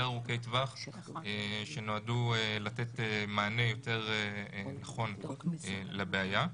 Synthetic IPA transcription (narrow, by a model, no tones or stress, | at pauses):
eʁukejtvaχ | eʃeno̞adulate̞temaːne̞jo̞te̞ʁenaχo̞nelabeaja